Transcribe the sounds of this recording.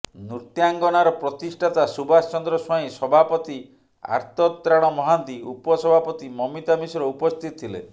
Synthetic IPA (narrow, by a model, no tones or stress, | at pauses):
nuɾt̪jaŋɡɔnaɾɔpɾɔt̪isʈʰat̪asubast͡ʃɔnd̪ɾɔsɔĩsɔbʱapɔt̪i | a̰ɾt̪ɔt̪ːɾaɽ̃ɔmɔɦant̪iupɔsɔbʱapɔt̪imɔmit̪amisɔɾɔupɔst̪ʰit̪ɔ̥t̪ʰilḛ